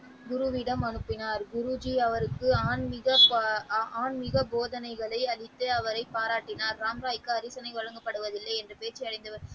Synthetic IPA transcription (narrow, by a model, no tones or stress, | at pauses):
ɡʊɾɯʋɪɽɐmɐɳɯpːɪnaːɾɡʊɾʊd͡ʒiɐʋɐɾɯkːɯaːnmɪɣɐpaːnmɪɣɐboːðɐnɐɪɣɐɭɐɪɐɭɪt̪ːɯɐʋɐɾɐɪpːaːɾaːʈːɪnaːɾːaːmɾaːjkːɯɐɾiːsɐnɐɪʋɐɻɐŋɡɐpːɐɽɯʋɐðɪlːɐɪɛndrɯpeːt͡ʃːɐjɐɽɐɪnd̪ɐʋɐɾ